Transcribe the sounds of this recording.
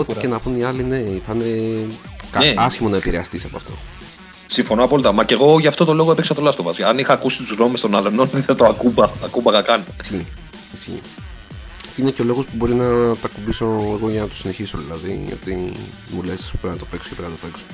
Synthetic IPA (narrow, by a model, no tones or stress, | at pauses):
ot̪ecenɐpuniɐline̞iθɐne | kɐsçimo̞nɐepiɾeɐst̪isɐpoɐ̰ft̪o̞̰ | siɱfo̞noɐpoɐlit̪ɐmɐce̞ɣo̞ʝɐft̪o̞t̪o̞lo̞ɣoepeksɐt̪olɐst̪ovɐsɐnixɐːkusit̪uzɣno̞mest̪o̞nɐlononiθɐt̪oɐkubɐt̪ɐkubɐɣɐkɐnsçi | isçḭ | ineceo̞lo̞ɣo̞spubo̞ɾinɐt̪ɐkubiso̞eɣo̞ʝɐnɐt̪o̥sine̞çiso̞ðilɐðḭo̞̰t̪i | mule̞speɾnɐt̪ofekso̥cepenɐt̪ofekso̥